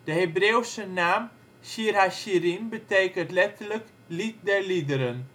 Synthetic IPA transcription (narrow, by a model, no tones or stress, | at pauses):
d̥əɦebreːwsənaːm | siraʃiɾinbətejkəntlɛtələk | lit̚dɛɹlidəɾən